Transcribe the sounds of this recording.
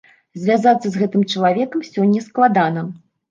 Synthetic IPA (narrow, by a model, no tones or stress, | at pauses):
zʲvʲazat̪sːɐzɣɛt̪ɨmt͡ʂɐlˠavʲɛkɐmsʲɔnʲːɐsklˠad̪anɐ